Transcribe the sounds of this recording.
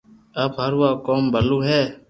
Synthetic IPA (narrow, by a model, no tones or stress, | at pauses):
əbɦəɾʋaːkoːmbʱəluːɦɛː